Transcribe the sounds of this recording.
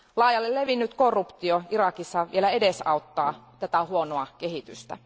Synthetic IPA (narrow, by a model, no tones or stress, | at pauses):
lɑijɑlːelle̞ʋinːyt̪ko̞rːupt̪ioirɑkisːɑʋḭelæe̞desɑut̪ːɑːt̪æt̪æhuonoɑke̞ɦit̪y̰st̪æ̰